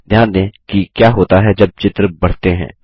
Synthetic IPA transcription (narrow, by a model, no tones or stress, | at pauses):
d̪ʱjaːnd̪ẽːkikjaːɦoːt̪aɦɛd͡ʒɐb̚t͡ʃɪt̪ɾəbɐɽ̤t̪eɦɛ̰̃ː